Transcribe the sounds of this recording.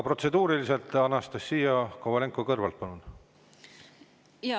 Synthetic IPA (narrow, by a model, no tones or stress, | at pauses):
pro̞t̪se̞d̪̥uːɾilise̞lt̪ˑɑnːɑst̪ɑsːiːjɑkovɑle̞ŋkːˑokɤrvɑlt̪̚pɑnun